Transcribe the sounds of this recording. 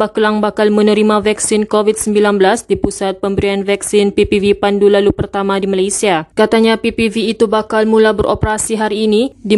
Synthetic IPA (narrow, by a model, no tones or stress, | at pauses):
bahkəlaŋbakalmənəɾimavaksɪnkovit̪̚səmbilanbəlasdipusat̪̚pəmbəɾianvaksɪnpipivipandulalupərt̪amadimalajsiakat̪aɲapipiviːt̪ubakalmulabəɾʔo̰pəɾasiɦaɾiːnidi